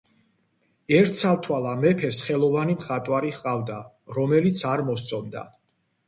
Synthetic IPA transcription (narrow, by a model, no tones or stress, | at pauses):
ɛɾt̪ʰsalt̪ʰwalˠamɛpʰɛsχɛlˠɔvanimχat̪ʼwaɾiχqʼavd̪a | ɾɔmɛlit̪sʰaɾmɔst̪sʰʼɔmd̪a̰